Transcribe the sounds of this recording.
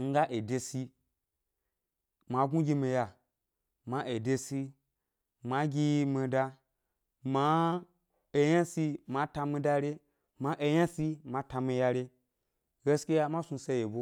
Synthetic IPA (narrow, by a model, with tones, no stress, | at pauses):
ŋ̩˦ɡa˦ʔe˨de˧si˧ | ma˧ɡũ˦ɡʲi˧mi˧ja˧ | ma˧ʔe˨de˧si˧ | ma˧ɡʲi˧mi˧da˧ | ma˧˦ | e˧ja˦si˧ma˧ta˧mi˧da˧ɾe˧ | ma˧ʔe˧jã˦si˧mã˧ta˧mi˧ja˧ɾe˧ | ɡe˦ske˦ja˧mã˦su˧se˧je˨bo˧˦